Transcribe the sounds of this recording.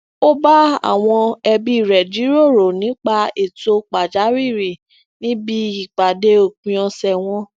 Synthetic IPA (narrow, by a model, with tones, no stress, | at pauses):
o˦ba˦a̰˦˨w̃ɔ̃˧ɛ˧bi˧i˨ɾɛ˨di˨˦ɾo˦˨ɾo˨nĩ˨˦k͡pa˦e˨to˧k͡pa˨d͡ʒa˨˦wi˦˨ɾi˨ | nĩ˦bi˦i˦˨k͡pa˨de˧˦o˦˨k͡pũ˨˧ɔ̃˧sɛ˨w̃ɔ̃˧˦